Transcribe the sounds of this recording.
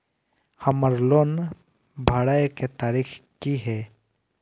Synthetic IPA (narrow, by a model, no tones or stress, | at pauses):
həməɾloːn | bʱaɽajket̪aːɾikʰkiɦɛ